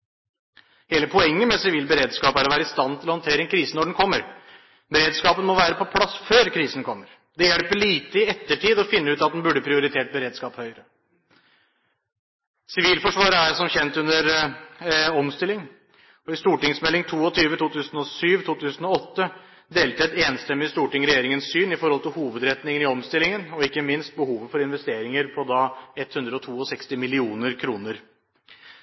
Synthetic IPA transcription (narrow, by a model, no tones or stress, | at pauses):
heːləpʰɔɛŋːəmɛsɪʋiːlbəɾeːd̪skɑːpæɾɔʋæːɾəɪst̪ɑnːt̪ʰɪlɔhɔnt̪ʰeːɾəɛnkʰɾiːsənɔɖɛnkʰɔmːəɾ | bəɾeːd̪skɑːpənmɔʋæːɾəpʰɔpʰlɑsføːɾkʰɾiːsən̩kʰɔmːəɾ | d̪ɛjɛlpəɭiːt̪əɪɛt̪ːəʈʰiːd̪ɔfɪnːəʉːt̪ɑt̪d̪ɛnbʉɖəpʰɾɪʊɾɪt̪ʰeːʈ̚bəɾeːd̪skɑːphœʏɾə | sɪʋiːlfɔʂʋɑːɾəæɾsɔmçɛnt̪ʉnəɾ | ɔmst̪ɪlːɪŋ | ɔɪst̪uːʈɪŋsmɛlːɪŋt̪ʰuːɔt̪ʰyːʋət̪ʰuːt̪ʰʉːsən̩ɔsyːʋt̪ʰuːt̪ʰʉːsənɔɔt̪ːə | d̪eːlt̪əɛt̪eːnst̪ɛmːɪɪst̪uːʈɪŋɾɛjeːɾɪŋənssyːnɪfɔɾhɔlt̪ɪlhuːʋəd̪ɾɛt̪nɪŋənɪɔmst̪ɪlːɪŋənɔɪkːəmɪnst̪̚bəhuːʋəfɔɾɪnʋɛst̪eːɾɪŋəɾpʰɔd̪ɑɛt̪ːhʉnd̪ɾəɔt̪ʰuːɔsɛkst̪ɪmɪlɪuːnəɾkʰɾuːnəɾ